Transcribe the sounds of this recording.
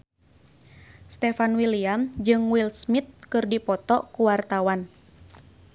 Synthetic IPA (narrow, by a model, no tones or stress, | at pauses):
st̪ɛfanwiliamd͡ʒɨŋwilsmit̪̚kɨrdipɔt̪ɔkuwart̪awan